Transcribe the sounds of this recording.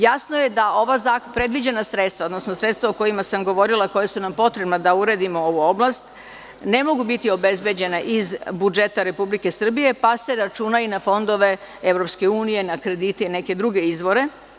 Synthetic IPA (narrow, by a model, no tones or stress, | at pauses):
jasnoje̞d̪ao̞ʋazakpɾed̪ʋid͡ʑe̞nasɾet̪st̪ʋaod̪no̞sno̞sɾet̪st̪ʋaoko̞imasamɡo̞ʋo̞ɾilˠako̞jesunampo̞t̪ɾebnad̪auɾe̞d̪imo̞o̞ʋuo̞blˠast̪ | ne̞mo̞ɡubit̪io̞be̞zbe̞d͡ʑe̞naʔizbud͡ʒe̞t̪aɾe̞publike̞sr̩bije̞pase̞ɾat͡ʃuːnainafo̞nd̪o̞ʋe̞e̞vɾopske̞uːnije̞nakɾe̞d̪it̪eine̞ke̞d̪ɾuɡe̞izʋo̞ɾe̞